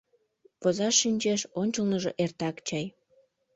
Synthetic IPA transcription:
pozɑʃːinʲt͡ɕeʃonʲt͡ɕəlnəʒoʔert̪ɑkt͡ɕɑj

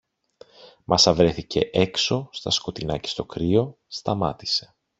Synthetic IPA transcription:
mʔɐsɐvɾe̞θice̞̰ʔe̞kso̞st̪ɐsko̞t̪inɐce̥st̪o̞kɾio̞ | st̪ɐmɐt̪i̥se̞̥

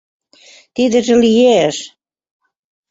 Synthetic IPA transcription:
t̪id̪ə̆ʒĕlijeʃ

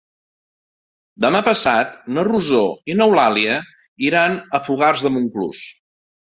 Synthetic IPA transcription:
d̪əmapəsat̪̚nəruzoinəwlaliə | iɾanəfuɣarzðəmuŋklṵs

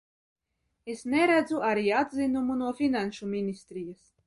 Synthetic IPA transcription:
esnɛɾæd̪zuʔaɾiːad̪zinumunuɔfʲinanʃumʲinʲist̪ɾijas

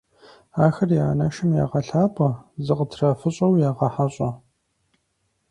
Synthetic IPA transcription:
aːxɐrjaːnɐʃɨmja̰ːʁɐɬaːpʼɐzɨqətʰrɐfɨɕʼɐwjaːʁɐħaɕʼɐ

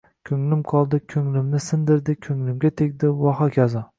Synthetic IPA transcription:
kʲʰɵŋlɪmqʰɒlˠd̪ɪkʲʰɵŋlɪmnɪsɪnd̪ɪɾd̪ɪkʲʰɵŋlɪmɡʲat̪ʰekʲd̪ɪwɒɦɑkʲʰazɑ

